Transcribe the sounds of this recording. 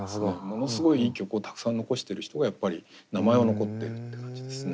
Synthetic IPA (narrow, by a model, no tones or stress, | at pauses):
soɡomo̞no̞sɨɡo̞iiːkʲo̞kɯ̟ot̪ḁkɯ̥sãnːo̞ko̞ɕi̥t̪e̞ɾɯ̟çi̥t̪o̞ɡajapːaɾʲinamae̞ono̞ko̞t̪ːe̞̰ɾɯ̟t̪ːe̞kãɲ̟d͡ʑid̪e̞sɨne̞